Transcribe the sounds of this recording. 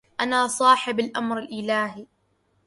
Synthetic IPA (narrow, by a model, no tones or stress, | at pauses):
ʔanaːsˤɑːħɪbalʔamɾalʔɪlaːɦi